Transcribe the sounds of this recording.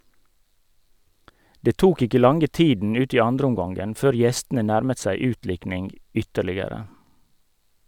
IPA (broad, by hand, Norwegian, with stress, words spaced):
ˈdeː ˈtuːk ˈɪkə ˈlɑŋə ˈtiːdn̩ ˈʉːt ˈiː ˈɑndɾəˌʊmɡɑŋɡən ˈføːɾ ˈjɛstn̩ə ˈnæɾmət ˈsæɪ ˈʉːtˌlɪknɪŋɡ ˈʏtəɭɪəɾə